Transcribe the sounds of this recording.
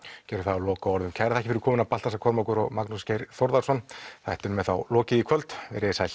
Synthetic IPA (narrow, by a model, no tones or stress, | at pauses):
cɛːɾʏɾθaðawlɔːkaɔɾðʏmcʰajɾaθaɛcɪfɪɾkʰɔːmɪnapalt̪asakʰɔɾmakʏɾɔ̰ɣmaknuscejɾθɔwɾðaɾ̥sɔnθaht̪ɪnmɛθa̰wlɔːcɪðikʰvœlt̪vɛ̰ɾɪɪsajl